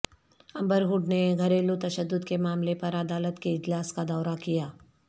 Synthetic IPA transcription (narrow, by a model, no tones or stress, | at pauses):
ɐ̃mbəɾɦʊɖneɡʱɐɾeːlot̪ɐʃəd̪ːʊd̪kemaːmlepɐɾɐd̪aːlət̪keɪd͡ʒlaːskad̪ɔːɾakijaː